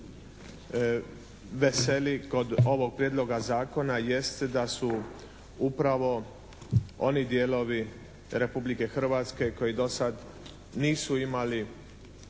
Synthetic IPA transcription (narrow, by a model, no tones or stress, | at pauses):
ʋe̞se̞liko̞d̪o̞ʋo̞ɡ̚pɾjed̪lˠo̞ɡazaːko̞naje̞st̪d̪asu | upɾaʋo̞ | o̞nid̪jeːlo̞ʋi | ɾe̞publike̞xr̩ʋaːt̪ske̞ko̞jid̪o̞sad̪ | niːsuimali